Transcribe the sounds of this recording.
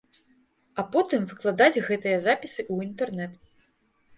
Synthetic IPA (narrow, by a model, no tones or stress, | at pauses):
apɔt̪ɨmvɨklˠad̪ad͡zʲɣɛt̪ɨjɐzapʲisɨʔuint̪ɛrnɛt̪